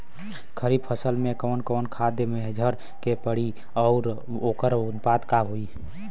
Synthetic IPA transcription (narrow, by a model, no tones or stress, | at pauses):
kʰəɾib̚pʰəsəlmẽkɔːnkɔːnkʰad̪jəmed͡ʒʱəɾ | kepəɽi | ɔʊɾ | oːkəɾʊnpad̪kaɦoi